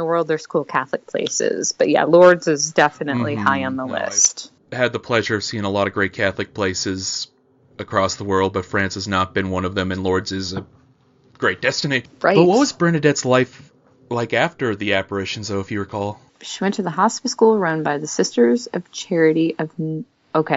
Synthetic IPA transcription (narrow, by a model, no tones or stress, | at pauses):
əwɜ˞lˠd̪̚ðə˞z̥kʰulˠkʰæθlɨk̚pʰl̥ḛɪsɪ̰z̥b̥ʌt̚jæ̰lɔɹdzɨzdɛfɨnɨʔˡlihaɪɨ̃nðəlɪ̰st | hɨd̪̚ðəpʰl̥ɛʒə˞ʌv̥siɪ̃ŋəlɔɾʌvɡɹeɪt̚kʰæθlˠɨk̚pʰl̥eɪsɨz | ɨkʰɹ̥ɔsðəwɜ˞lˠd̚bʌtfɹæ̃nshɨznət̚b̥ɨ̃nwʌ̃nʌvðɨ̃mɨ̃nlɔɹdzɨzɨ | ɡ̥ɹeɪt̚d̥ɛstɨniɹaɪb̥ʌt̚wʌtwʌzbɹɛ̃nɨdɛtslaɪf | laɪkæftə˞ðiæpə˞ɪʃn̩zðoʊɨfjɨɹə˞kʰɔlˠ | ʃiwɛ̃ntʰɨðəɦɑspɨskulˠɹʌ̃nbaɪðɨsɪstə˞zʌv̥t͡ʃʰɛɹɨɾiʔʌv̥ | oʊkʰeɪ